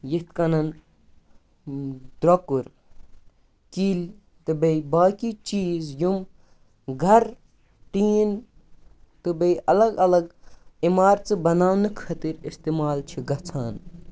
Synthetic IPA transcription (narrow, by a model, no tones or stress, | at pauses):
jit̪kɐnɐn | d̪̥ɾokuɾ | kilʲ | t̪ɨbɐjbaːkit͡ʃiːzjum | ɡʱɐɾ | ʈiːn | t̪ɨbɐjʔɐlɐɡɐlɐɡimaːɾt͡sɨbɐnaːwnɨkʰɐt̪iɾist̪imaːlt͡ʃʰiɡɐt͡sʰaːn